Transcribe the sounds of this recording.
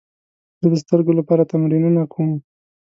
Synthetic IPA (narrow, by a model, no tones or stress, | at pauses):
zəd̪əst̪əɾɡolapɑɾat̪amɾinunakʰom